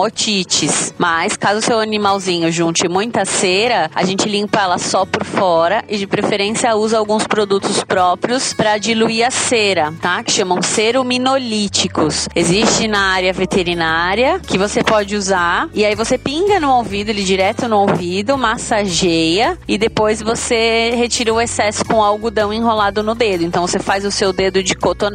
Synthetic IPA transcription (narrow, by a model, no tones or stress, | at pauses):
ot͡ʃit͡ʃɪsmaskazʊsewanimawzĩɲʊʒũnt͡ʃɪmũj̃t̪ɐseɾɐa̰ʒẽnt͡ʃɪlĩŋpɐɛlɐsɔpʊɾfɔɾɐʔɪd͡ʒɪpɾefeɾẽsiɐuzɐawɡũspɾod̪ut̪ʊspɾɔpɾiʊspɾɐd͡ʒiluiɐseɾɐt̪akɪ̥ʃɐ̃mɐ̃w̃seɾʊminolit͡ʃikʊsezist͡ʃɪ̃nɐaɾjɐvet̪eɾinaɾjɐkɪvosepɔd͡ʒɪuzaɾɪaivosepĩŋɡɐnʊowvid̪ʊelid͡ʒiɾɛt̪ʊnʊowvid̪ʊmasaʒejɐɪd̪epojzvosehet͡ʃiɾɐʊesɛsʊ̥kõawɡʊd̪ɐ̃w̃ẽɦolad̪ʊnʊd̪ed̪ʊẽnɐ̃w̃vosefajzʊsewd̪ed̪ʊd͡ʒɪkot̪on